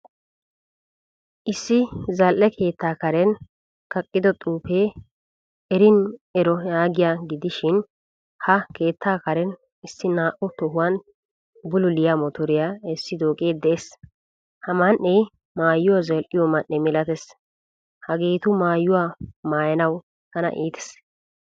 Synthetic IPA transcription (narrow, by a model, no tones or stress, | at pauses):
ʔɪsːɪzɐlʔɛkʰe̞ːt̪ːaːkɐɾɛn | kɐkʼːɪd̪ɔt̪ʼuːpeː | ɛɾɪnɛɾɔjaːɡɪjaɡɪd̪ɪʃɪn | hɐke̞ːt̪ʰːaːkɐɾɛn | ɪsːɪnaːʔɔt̪ɔɦʊwɐn | bʊlʊlɪjamɔt̪ɔɾɪjaɛsːɪd̪oːkʼeːd̪ɛeːs | hɐmɐnːɛj | maːjːʊwazɐlʔɪjɔmɐnʔːɛmɪlɐt̪ɛs | hɐɡeːt̪ʊmaːjːʊwamaːjɐnɐw | h̪ɐnɐ̰ʔiːt̪ɛ̥s